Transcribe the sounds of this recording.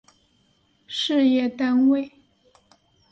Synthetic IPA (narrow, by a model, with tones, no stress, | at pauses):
ʂɻ̩˥˧jɛ˥˩t̪a˥nwe˥˩ɪ